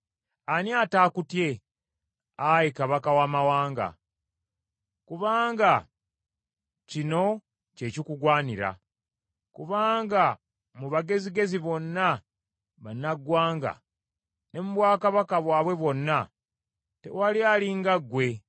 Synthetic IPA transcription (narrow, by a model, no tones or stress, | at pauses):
anjataːkutje̞ | ajikaβakawaːmawaːŋɡa̰ | kuβaːŋɡa | cino̞ | ce̞ːcikuɡwaːniɾa̰ | kuβaːŋɡa | muβaɡe̞ziɡe̞ziβo̞nːa | βanːaɡwaːŋɡa̰ | ne̞muβwaːkaβakaβwaːβwe̞βo̞nːa | te̞̰walialiŋɡaɡwe̞